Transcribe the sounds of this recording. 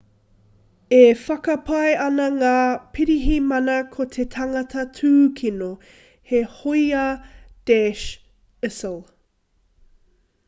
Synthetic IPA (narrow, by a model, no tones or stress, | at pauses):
efɐkɐpʰɐjɐnɐŋaːpʰiɾiɦimɐnɐkʰot̪ʰetʰɐŋɐtʰɐtʰʉːkʰino | hehoiad̥ɛʃ | ɪsəlˠ